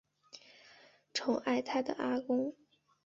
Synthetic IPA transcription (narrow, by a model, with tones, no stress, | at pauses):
ʈ͡ʂʰʊ˧˥ŋʔa˥˩ɪt̪ʰa˥d̪ə̰˨˩ʔa˥kʊ˥ŋ